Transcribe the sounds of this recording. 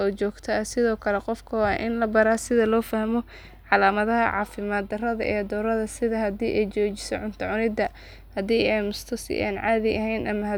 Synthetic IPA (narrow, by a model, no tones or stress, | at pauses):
ɔːt͡ʃɔːɡt̪ʰɐɐsɪðɔːkʰɐlɛqɔfkʰɐwɑ̰ːʔɪnlɐbɐɾaːsɪðɐlɔːfɐhmɔ | ʕɑlaːmɐðɐɦɐ̰ʕɑ̰ːfɪmad̪ɐrɐðɐ̰ʔɛːd̪ɔːɾɐðɐsɪðɐhɐd̪iːʔɛjt͡ʃɔːt͡ʃɪ̥sɔʕʊnt̪ʰɐʕʊnɪd̪ɐ | hɐd̪iːɛjmʊst̪ʰɔsɪ̰ʔa̰ːnʕaːðɪʔɐɦɛjnʔɐmɐɦɐ